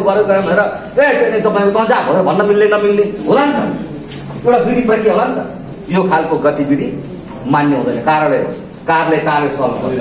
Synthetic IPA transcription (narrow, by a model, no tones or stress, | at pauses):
ɡʌɾekokʌɾebʱʌneɾʌ | epenit̪ʌpãĩkot̪ʌãd͡zabʱʌnebʱʌnːʌmilːenʌmilneɦolant̪ʌ | ewʈabid̪ʱipʌikeɦolant̪ʌ | jokʰalkoɡʌt̪ibid̪ʱḭ | manːeɦũd̪ʌjnʌkaɾʌleɦo̰ | karlekarlesʌlkʌ̰